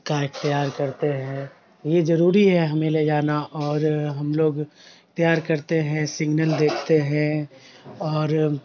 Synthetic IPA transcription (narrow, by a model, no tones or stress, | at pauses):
kaɪxt̪əjaːɾkɐɾt̪eɦɛ̃ː | jed͡ʒɐɾuːɾiɦɛɦɐmẽled͡ʒaːnaʔɔːɾɦɐmloːɡ | t̪jaːɾkɐɾt̪eɦɛ̃sɪɡnəld̪eːkʰt̪eɦɛ̃ | ɔːɾ